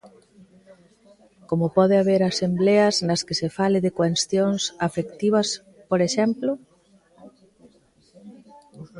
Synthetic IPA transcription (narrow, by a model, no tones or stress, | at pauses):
komopɔðeaβ̞eɾasembleaznaskesefaleðekwenst̪jonsafekt̪iβ̞as | poɾeʃemplo